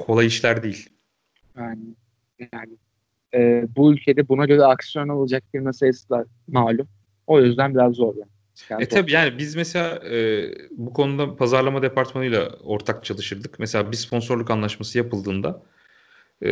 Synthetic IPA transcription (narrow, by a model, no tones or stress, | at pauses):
kʰo̞lˠajiʃlʲæɾd̪ejilʲ | anɪ | janɪ | ɛːbuylʲcʰe̞d̪ɛbunaɟø̞ɾɛaksijo̞naolˠad͡ʒak̚fiɾmasajasɯlˠaɾ̥ | maːlʲum | o̞jøzd̪ænbiɾazːo̞ɾja | aɛt̪ʰabiːjaːnibizmese̞lʲaːɛːbukʰo̞nud̪apʰazaɾlˠamad̪e̞pʰaɾt̪manɯjlˠa̰o̞ɾt̪ʰakt͡ʃʰalˠɯʃɯɾd̪ɯkmese̞lʲaːbispʰo̞nso̞ɾlˠukanlˠaʃmasɯjapɯlˠd̪ɯːnd̪a